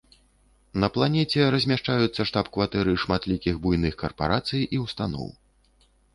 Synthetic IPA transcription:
nɐplˠanʲɛt͡sʲɛɾɐzʲmʲaʂt͡ʂajut̪sːɐʂt̪apkvat̪ɛɾɨʂmat̪lʲikʲiɣbujnɨxkɐrpa̰ɾat̪sɨjʔiwst̪anɔ̰w

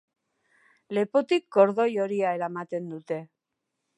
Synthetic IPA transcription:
le̞pot̪ikɡo̞ɾðo̞jo̞ɾiae̞ɾamat̪e̞nd̪ut̪e̞

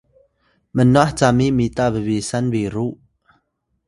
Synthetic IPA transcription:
mənːɔʔht͡samiʔmit̪abəbisanviɾuʔ

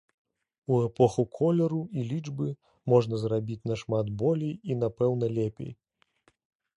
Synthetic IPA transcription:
uɛpɔxukʰɔlʲɛɾuilʲid͡ʐbɨ | mɔʐnɐzrabʲit͡sʲnɐʂmad̪bɔlʲijinapɛwnɐlʲepʲḛj

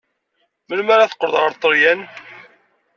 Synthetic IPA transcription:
məlmaɾaθə̥qːəɾəðʁəɾt̪ˤːəɾjæn

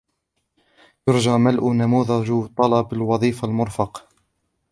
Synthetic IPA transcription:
jʊɾd͡ʒaːmalʔʊnamuːðad͡ʒt̪ˤːɑlɑbalwɑðˤiːfalmʊɾfɑq

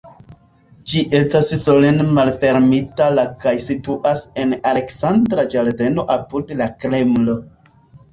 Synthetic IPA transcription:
d͡ʒiʔe̞stassolenmalfe̞ɾmitalakajsituʔase̞nale̞ksandɾad͡ʒalde̞no̞ʔapuɾdelakɾe̞mlo̞

